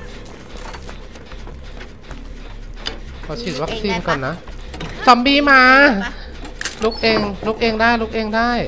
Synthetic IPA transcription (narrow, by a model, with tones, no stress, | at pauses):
pʰɔː˧˩t͡ɕʰi˨˩t̪̚wa˦˥k̚siː˧nkɔː˨˩nːa˦˥sa˩˦mbiː˧maː˧ | lu˦˥k̚ʔeː˧ŋlu˦˥k̚ʔeː˧ŋdaː˥˩jlu˦˥k̚ʔeː˧ŋdaː˥˩j